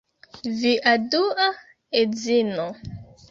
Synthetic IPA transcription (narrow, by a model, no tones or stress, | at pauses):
viʔadua | ezino